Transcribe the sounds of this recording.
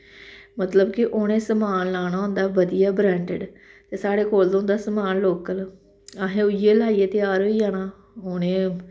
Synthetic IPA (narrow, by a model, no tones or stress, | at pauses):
mət̪ləbkɪʔoːɽ̃ẽːsəmaːnlaːɽ̃aːõnd̪aːʋəd̪ijaːbɾɛ̃ːɳɖɪ̰ɖt̪eːsaːɽeːkoːld̪õːnd̪aːsəmaːnloːkəl | aɦẽːʊijeːlaːiːeːt̪ɪjaːɾɦoːiːaːnaː | oːñẽː